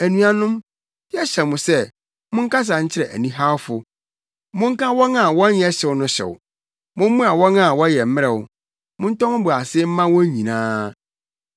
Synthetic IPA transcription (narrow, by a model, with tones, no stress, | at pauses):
æ˨nũ˨˦a˨nʊ̃˦m | jɛ˦ɕɛ˨mʊ̃˨sɛ˦ | mʊ̃˦ŋ̩˦kʰa˦s̬a˨ɲ̩˦t͡ɕʰɪ˦ɾɛ˨ʔæ̰˨nĩ˦ɦa˦wfʊ˦ | mʊ̃˦ŋ̩˦kã˦wɔ˦nã˨wɔ̃˦njɛ˦ɕɛ˨ʊ˦nʊ̃˦ɕɛ̰˨wʊ̰˨ | mʊ̃˦m˦mũ˦a˨wɔ̃˦nã˦˨wɔ˦jɛ˨m̩˦mɪ̃˦ɾɛ˨wʊ˨ | mʊ̃˦n̩˦tʰɔ̃˦ŋ̃˦bʊ˨a˨sɪ˦m̩˦mã˦wɔ̃˦ɲĩ˨nãː˦